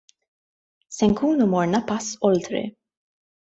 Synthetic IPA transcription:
sɛŋkuːnumɔɾnɐpɐsːɔlt̪ɾḭ

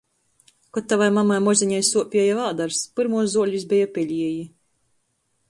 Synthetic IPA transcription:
kɔt̪ːavajmamajmɔzʲiɲajsuɔpʲiɛjavaːd̪aɾspɨɾmuɔs̬zuɔlʲisbʲɛjapʲɛʎʲiɛji

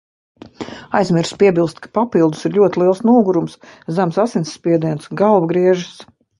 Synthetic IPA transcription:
ajzmʲiɾspʲiɛbilˠst̪kḁpapilˠd̪u̥siɾlʲuɔt̪ʲilˠiɛlˠsnuːɡuɾumszamsasinsːpʲiɛd̪iɛnsɡalˠvɡɾiɛʒɨs

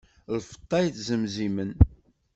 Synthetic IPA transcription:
lfə̥t̪ˤːɑjθzəmzimən

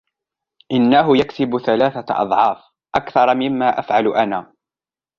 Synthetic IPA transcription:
ʔɪnːaɦʊjaksɪbʊθalaːθaʔɑ̰d̪ˤʕɑːf | ʔakθɑɾˤɑmɪmːaːʔafʕalʔanaː

